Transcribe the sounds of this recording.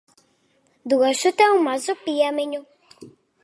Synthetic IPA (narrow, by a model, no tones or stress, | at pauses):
d̪uɣaʃut̪ɛũmazopiameɲo